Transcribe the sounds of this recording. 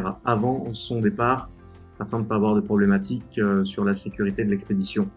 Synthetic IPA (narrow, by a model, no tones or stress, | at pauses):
ʁavɑ̃sɔ̃d̪epaːʁ | afɛ̃d̪əpavwaʁd̪əpχɔblɛmat̪ʰikøsyʁlasekʲyʁit̪ed̪əlɛksped̪isjɔ̃